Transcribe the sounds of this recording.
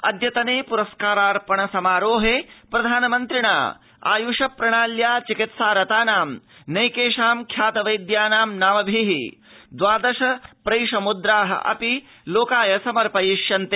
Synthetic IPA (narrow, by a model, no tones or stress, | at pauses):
ɐ̰d̪ʱjɐt̪ɐneːpuɾɐskaːɾaːɾpɐɳɐsɐmaːɾoːɦepɾɐd̪ʱaːnɐmɐnt̪ɾiɳa̰ː | a̰ːjuʂɐpɾɐɳaːljaːt͡ʃikit̪saːɾɐt̪aːnaːmnɐjkeːʂaːmkʰjaːt̪ɐʋɐjd̪jaːnaːmnaːmɐbʱiɦi | d̪ʋaːd̪ɐʃɐpɾɐjʂɐmud̪ɾaːɦɐ̰ʔɐ̰pi | loːkaːjɐsɐmɐɾpɐjiʃjɐnt̪e